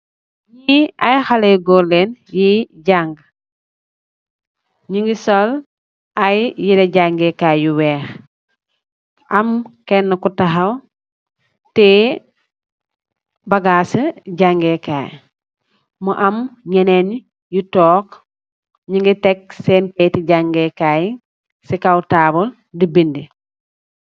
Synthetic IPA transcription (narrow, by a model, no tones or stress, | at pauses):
ɲiɐjxaleɡɔlenjiɟaŋɡ | ɲiŋɡisɔl | ɐjjidɛɟaŋɡɛkaːjuwɛːx | ʔɐmkɛnːɐkutɐxɐw | tɛ | baɡaːsəɟaŋɡeka̰ːj | muʔamɲenen | jutɔːk | ɲiŋɡitek̚seːnpetiɟaŋɡekaj | sikawtaːbul | dibindi